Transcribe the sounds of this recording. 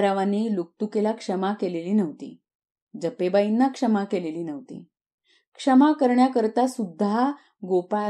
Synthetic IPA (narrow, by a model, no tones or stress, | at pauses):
ɾaʋaniluk̚t̪ukelakʂəmakeleliːnəʋt̪ḭː | d͡zəpebainːakʂəmakeleliːnəʋt̪ḭː | kʂəmakəɾɳjakəɾt̪asud̪ʱːa | ɡopa